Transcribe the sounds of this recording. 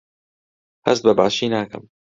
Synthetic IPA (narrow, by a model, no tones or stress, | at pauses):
hɐst̪̚bɐba̰ːʃiːnaːkɐ̰m